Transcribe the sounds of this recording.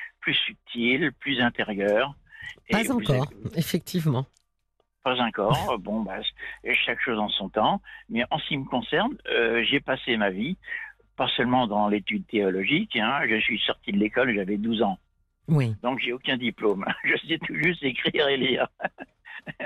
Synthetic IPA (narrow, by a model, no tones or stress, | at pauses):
plysyp̚t̪ʰilplyzɛ̃t̪eʁjœːʁeaz̃ykɔʁefɛk̚t̪ʰivmɑ̃ | pazɑ̃kɔːʁbɔ̃basʃakʃozɑ̃sɔ̃t̪ɑ̃mɛʔɑ̃səkʲiməkɔ̃sɛʁnøʒepasemavi | pasœlmɑ̃d̪ɑ̃let̪yd̪̚t̪eɔlɔʒikɛ̃ʒəsɥisɔʁt̪ʰid̪əlekɔlʒavɛd̪uzɑ̃ | wid̪ɔ̃kʒɛokʲɛ̃d̪iplomʒəsɛt̪ʰuʒyst̪ekχiʁeliːʁ